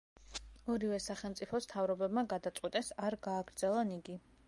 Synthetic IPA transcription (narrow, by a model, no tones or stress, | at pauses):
ɔɾivɛsaχɛlˠmt̪sʼipʰɔst̪ʰavɾɔbɛbmaɡad̪at̪sʼqʼwit̪ʼɛsaɾɡaːɡɾd̪zɛlˠaniɡi